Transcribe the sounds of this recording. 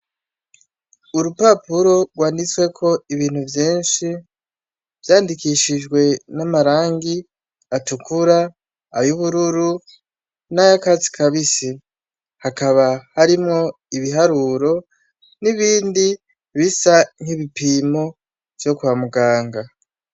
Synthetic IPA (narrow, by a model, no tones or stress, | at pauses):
uɾupapuɾo̞ɡwaːndit͡swe̞kʰo̞iβiːn̥huvjiːnʃi | vjaːndikiʃiʒɡwe̞namaɾaːŋɡi | atukʰuɾaː | juβuɾuɾu | najakazi̥kʰaβisi | hakaβahaɾimŋo̞ | iβiɦaɾuɾo̞ | niβiːndi | βisaŋ̥hiβipimo̞ | v̥jo̞kuwamuɡaːŋɡa